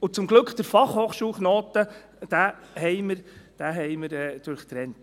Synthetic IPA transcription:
ʊt͡sʊmɡlɵkχd̥əɾfɑχhoːχʃuːlχnoːt̪ə | d̥æɦɛɪməɾd̥æɦɛɪməɾɛːd̪̥ʊɾχt̪ɾɛnt

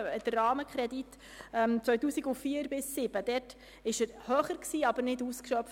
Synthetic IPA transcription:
əd̥ərɑːməkʰɾɛdit | ɛmt͡sʋœɥtuːsiɡʊfiːəɾbɪsːɪb̥əd̥ɛrt | ɪʃəɾhøːχəɾksiːɑbəɾnɪduːskʃœpf

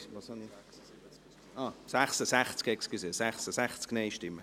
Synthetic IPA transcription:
ɑːsaχsəsæχt͡skɛkskisesæχsəsæχt͡sknɛɪʃtɪmːə

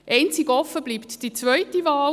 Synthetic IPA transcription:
ʔɛɪnt͡siɡɔfəbliːptd̥it͡svœʏtivɑː

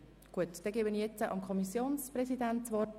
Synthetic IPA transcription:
ɡ̥uətd̥ɛɡeːbənijɛt͡səʔɑ̰mkʰɔmisjoːnsprɛsidɛntt͡sʋɔ

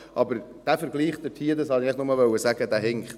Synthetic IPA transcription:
ʔɑbəɾd̥æfəɾɡliːχd̪ətʰiːd̪ɑshɑniɛɪχnʊməʋœwəsæɡəd̥̪æɦɪŋχt

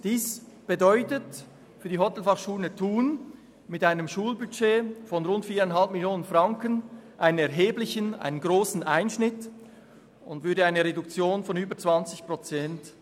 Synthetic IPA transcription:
d̥iːs | b̥ədɔʏtət | fyːɐdiːɦɔtɛl̩fɑχʃuːlətʰuːn | mɪtaɪnəmʃuːlbyt͡ʃeːfɔnʁʊntfiːɐʁaɪnɦalpmɪljoːnənfʁaŋkənʔaɪnənɛɐɦeːblɪçənʔa̰ɪnənɡʁoːsn̩ʔaɪnʃnɪt | ʊntvʏɐdəaɪnəʁedukt͡sjoːnfɔnyːbət͡sv̥ant͡sɪçpʁ̥ot͡sɛnt

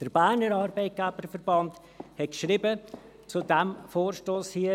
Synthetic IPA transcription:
d̥əɾbæːɾnəɾɑːɾbɛɪt̚ɡ̥æbəɾfəɾbɑnt | hɛt̚kʃɾibə | t͡sudɛmfoːɾʃtoːshiə

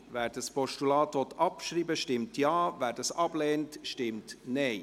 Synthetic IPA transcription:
væːɾdəspɔʃtulɑːtʋɔt̪ʰɑpʃɾiːbəʃtɪmtjɑːvæːɾdɑsɑb̥lɛːntʃtɪmtnɛɪ

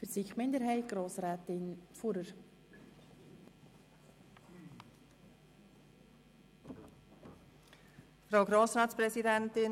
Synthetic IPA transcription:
fəsiχmɪndəɾɦɛɪt̚ɡ̥ɾoːsɾæːt̪ɪnfuɾəɾ | fɾawɡɾoːsɾɑːtspɾɛsidɛntɪn

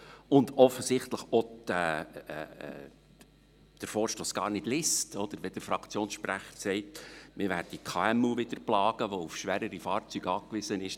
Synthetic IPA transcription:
ʊndɔfːəsɪχt̪ləχɔdɛ | d̪̥əɾfɔːɾʃtoːsɡ̥ɑ̰ːɾnɪd̥lɪstʰɔd̥̪əɾʋɛd̥̪əɾfɾɑkt͡sjoːnsʃpræχə̥ɾsɛɪtmɪɾʋæːɾdikʰɑːɛmuʋɪd̪əɾplɑːɡ̥əʋɔufʃʋæːɾəɾifɑːɾt͡syɡɑːkʋɪsənɪʃ

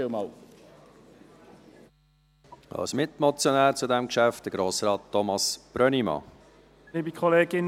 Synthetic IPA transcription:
ɪlmɑːl | ɑ̰lsmɪtmɔt͡sjɔnæːɾt͡sudæmkʃæft̚d̥əɡ̥ɾoːsɾɑːtːɔmɑsb̥ɾœnimɑ̰ | liːbikʰɔleːɡɪn

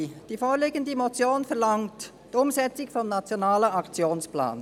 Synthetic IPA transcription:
d̥iːfoːɾleːɡəndəmot͡sjoːnfɛɐlɑŋt | d̥ʊmzɛt͡sɪɡfɔmnat͡sjonaːləʔɑkt͡sjoːnspla̰ːn

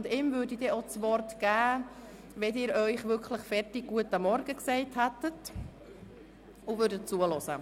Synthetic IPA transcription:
ndɪmvʏːɾdidɛot͡sʋɔɾtɡ̥æː | ʋɛdɪːɾœʏχʋʏkʰləχfɛrtɪɡ̚ɡ̥uətːɑmɔɾɡəksɛɪthæt̪ət | ʊvʏːɾdət̚t͡suəlɔsə

